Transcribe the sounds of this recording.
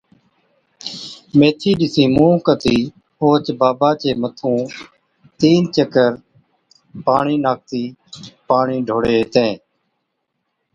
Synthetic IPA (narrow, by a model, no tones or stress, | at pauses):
mẽːt̪ʰiːɗɪsĩːmũːkət̪iː | oːt͡ʃbaːbaːt͡ʃeːmət̪ʰũː | t̪iːnt͡ʃəkəɾ | paːɳiːnaːk̚t̪iːpaːɳĩːɖʱoːɽeːt̪ẽː